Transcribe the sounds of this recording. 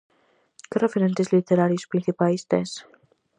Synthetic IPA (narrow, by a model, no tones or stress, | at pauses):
kerefeɾent̪ezlit̪eɾaɾjiospɾin̟θipaist̪es